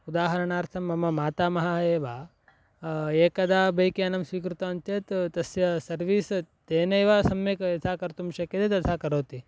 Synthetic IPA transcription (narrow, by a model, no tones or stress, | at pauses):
ud̪aːɦɐɾɐɳaːɾt̪ʰɐmːɐmɐmaːt̪aːmɐɦɐeːʋa | eːkɐd̪aːbʱɐjkeɐnɐmsʋiːkɾut̪ɐɐnt͡ʃ̪et̪t̪ɐsjɐsɐɾʋiːst̪eːnɐjʋasɐmjekɐt̪ʰaːkɐɾt̪umʃɐked̪et̪ɐt̪ʰaːkɐɾoːt̪i